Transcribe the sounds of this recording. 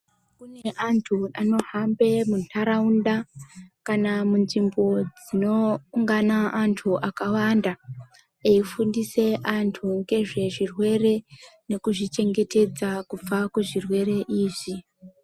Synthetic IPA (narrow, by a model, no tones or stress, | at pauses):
kuneʔantʰuano̞hambe̞muntʰaɾaundakanamunʐimbo̞d͡zino̞ːŋɡanaantʰuʔakawanda | eifundise̞ʔantʰuŋɡe̞ʐe̞ʐirwe̞re̞ne̞kuʐit͡ʃe̞ŋɡe̞te̞d͡zakup͡fakuʐirwe̞ɾe̞ʔiːʐi